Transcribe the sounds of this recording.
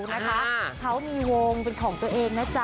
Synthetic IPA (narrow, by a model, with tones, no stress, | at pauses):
na˦˥kʰa˦˥kʰa˦˥wmiː˧wo˧ŋpe˧nkʰɔː˩˦ŋt̪u˧ɐʔeː˧ŋnaː˦˥t͡ɕa˨˩